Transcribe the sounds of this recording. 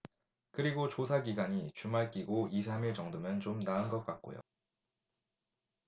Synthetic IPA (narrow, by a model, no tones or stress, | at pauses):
kɯɾiɡot͡ɕosʰaɡiɡaɲit͡ɕumaɭk͈iɡoisʰamiɭt͡ɕʌŋdomjʌnt͡ɕomnaɯnɡʌt̚k͈at̚k͈o̰jo̰